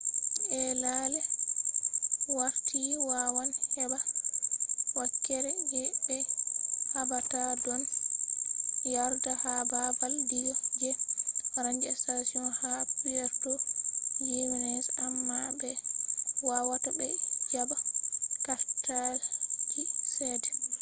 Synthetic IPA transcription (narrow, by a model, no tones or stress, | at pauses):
ɛlalɛ | waɾtʰiwawanhɛba | wakːɛɾɛjɛɓɛhabatadɔn | jaɾdahababaldijɔd͡ʒɛɾaɲd͡ʒɛstasiɔnhapijɛɾtɔjewinɛsamːabɛ | wawatabɛd͡ʒabakaɾtad͡ʒisɛdɛ